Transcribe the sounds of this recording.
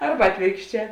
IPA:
ˈɐrbɐ ˈɑːtʲʋʲeːrkʃʲˌt͡ʃʲɛː

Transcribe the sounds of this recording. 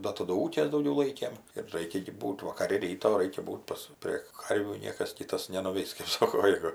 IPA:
ˈdɐ tɐˈdʊ ˈuːkʲeːs dɐʊˈɡʲɛʊ ˈlˠɐɪkʲeːm ɪr ˈrɐɪkʲɛ ɡʲɪ ˈbuːtʲ ʋɐkɐˈrʲɪ ˈrʲiːtoː ˈrɐɪkʲɛ ˈbuːtʲ pɐs ˈpʲrʲeː ˈkɐrʲʋʲuː ˈnʲiɛkɐs ˈkʲiːtɐs nʲɛnʊˈʋʲɛɪs kɜp ˈsoːkoː ˈjæːɡʊ

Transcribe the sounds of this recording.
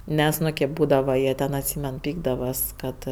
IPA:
ˈmʲɛs ˈnʊ kʲeːp ˈbuːdɐʋɐ ˈjiɛ tʲɛn ɐtʲˈsʲiːmʲɛn ˈpʲiːɡdɐʋɐs ˈkɐt

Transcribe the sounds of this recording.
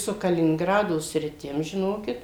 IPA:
sʊ kɐlʲɪnʲɪŋˈɡrɑːdoː sʲrʲɪˈtʲɪm ʒʲɪˈnoːkʲɪt

